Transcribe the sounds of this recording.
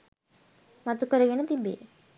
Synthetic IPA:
mat̪ukəɾəɡenət̪ibːḛ

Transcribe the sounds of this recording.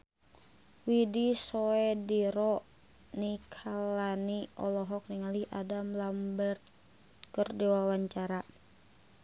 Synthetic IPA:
widisɔɛdiɾɔ | nikʰalaniɔlɔɦɔk̚niŋalihʔadamlambɛrt̪̚ | kərdiwawaɲt͡ʃaɾa

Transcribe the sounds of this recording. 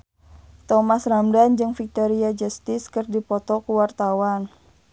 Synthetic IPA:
t̪ɔmasramdand͡ʒɨŋfik̚t̪oɾiad͡ʒəst̪ɪskɨrdipɔt̪ɔkuwart̪awan

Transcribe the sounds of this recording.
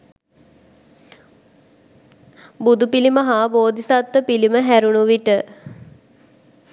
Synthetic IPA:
bud̪upiliməɦaːboːd̪isat̪ːəpiliməɦæɾunuʋiʈə

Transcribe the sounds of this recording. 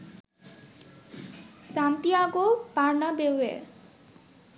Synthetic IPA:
samt̪iaɡopaɾnabewḛ

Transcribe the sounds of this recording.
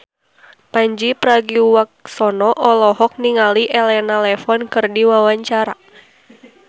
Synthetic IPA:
paɲd͡ʒipɾaɡiiuwak̚sɔnɔʔɔlɔhɔk̚niŋaliʔɛlɛnalɛfɔnkɨrdiwawaɲt͡ʃaɾa

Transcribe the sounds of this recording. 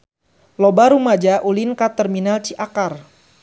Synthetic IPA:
lobaɾumad͡ʒaʔulinkat̪ɛrminalt͡ʃiʔakar

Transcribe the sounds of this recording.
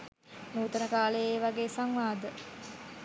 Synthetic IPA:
nuːt̪ənəkaːləjeːʋaɡeːsaŋʋaːd̪ə

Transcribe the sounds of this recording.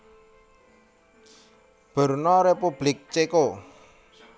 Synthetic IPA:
b̥ə̤rnɔɾepublɪk̚t͡ʃeko

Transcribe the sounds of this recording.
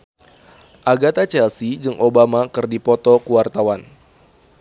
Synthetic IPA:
ʔaɡat̪at͡ʃɛlsid͡ʒɨŋʔobamakɨrdipɔt̪ɔkuwart̪awan

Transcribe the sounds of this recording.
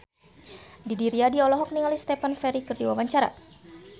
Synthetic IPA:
didiɾiadiɔlɔɦɔk̚niŋalist̪ɛfanfɛɾikɨrdiwawaɲt͡ʃaɾa̰

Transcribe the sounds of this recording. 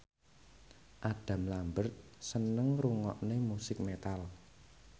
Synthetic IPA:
ʔaɖ̥ä̤mlambərt̪̚sənəŋruŋɔʔnemusɪk̚met̪al

